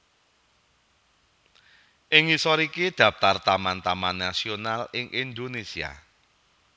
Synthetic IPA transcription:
ʔɪŋisɔɾikid̪̥ä̤p̚t̪art̪amant̪amanːasionalɪŋʔind̪onesia̰

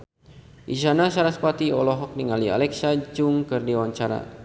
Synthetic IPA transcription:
ʔiʃanasaɾaspat̪iɔlɔɦɔk̚niŋalia̰lɛksad͡ʒʊŋkɨrdiwaɲt͡ʃaɾa̰

